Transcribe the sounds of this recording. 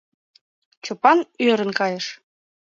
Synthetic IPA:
t͡ɕopɑnøɾə̆nkɑjə̆ʃ

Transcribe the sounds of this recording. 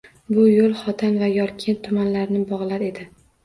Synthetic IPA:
bʊjolˠχɒt̪ʰanvajɒɾkʲʰent̪ʰːʊmanlaɾnɪbɒʁlˠaɾe̞d̪ɪ

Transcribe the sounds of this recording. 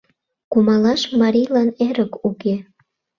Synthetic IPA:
kumɑlɑʃmɑɾʲijlɑneɾəkuke

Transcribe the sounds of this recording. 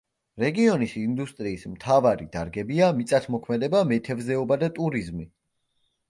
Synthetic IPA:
ɾɛɡiɔnisind̪ust̪ʼɾiːsmt̪ʰavaɾid̪̥aɾɡɛbiamit̪sʼat̪ʰmɔkʰmɛd̪ɛbamɛt̪ʰɛvzɛɔbad̪at̪ʼuɾizmi

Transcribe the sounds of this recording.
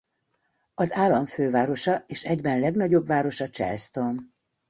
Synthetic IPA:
ɒzaːlːɒɱføːvaːɾo̞ʃɒeːʃɛɟbɛnlɛɡnɒɟo̞bvaːɾo̞ʃɒt͡ʃɛ̰lst̪o̞m

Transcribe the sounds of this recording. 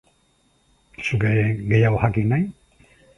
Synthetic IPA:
sukeɡe̞jaoxakinaj

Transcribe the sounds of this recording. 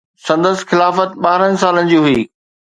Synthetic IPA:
sɐ̃nd̪əsɪ̥̆xɪlaːfət̪̚ɓaːɾənɪ̆saːlənɪ̆d͡ʑiːɦʊiː

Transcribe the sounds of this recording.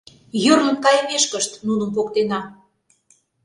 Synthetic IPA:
jørnə̆mkɑjəmeʃkəʃt̪nunə̆mp̬okt̪enɑ

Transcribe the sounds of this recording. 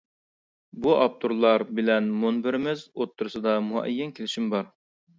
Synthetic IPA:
buʔɑp̚t̪ʰuɾlˠɑɾbɪlɛnmonbɪɾmɪzot̪ʰːuɾɨsɨd̪ɑmuɛ̰jːɛnkʲʰelɪʃimbɑɾ

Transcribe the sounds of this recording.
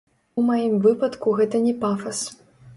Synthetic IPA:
majimvɨpɐt̪kuɣɛt̪ɐnʲɛpafɐs

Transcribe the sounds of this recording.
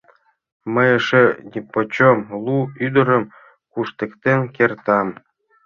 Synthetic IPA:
mə̆jəʃenʲipot͡ɕomlˠuyd̪ɤ̆ɾə̆m | kuʃt̪ĕkt̪enʲkert̪ɑm

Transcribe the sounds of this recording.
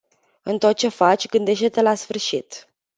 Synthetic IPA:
ɨnt̪o̞t̪̚t͡ʃe̞fat͡ʃʲɡɨnd̪e̞ʃt̪et̪elasfɨrʃit̪

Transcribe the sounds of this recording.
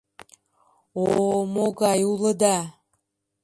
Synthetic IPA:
omoɣɑjuləd̪ɑ

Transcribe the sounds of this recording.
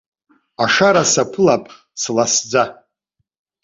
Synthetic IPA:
aʂaɾasapʰɨlapʼ | slasd͡za

